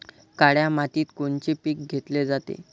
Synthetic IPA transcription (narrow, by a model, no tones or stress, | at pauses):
kaɽjamat̪iːt̪koɳt͡ɕipik̚ɡʱet̪led͡zat̪ḛ